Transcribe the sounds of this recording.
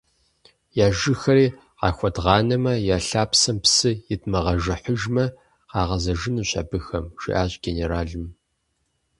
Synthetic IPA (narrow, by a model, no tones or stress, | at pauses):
jaːʒɪxɐɾiː | qɑ̰ːxʷɔdʁɑːnɐmɐjaːɬaːpsɐmpsɨjɪtmɐʁɐʒɨħʊʒmɐ | qɑːʁɐzɐʒɪnuːɕʼɐ̰bɨxɐmʒ̥ḭʔaːʑɡ̥eneɾaːɮɨm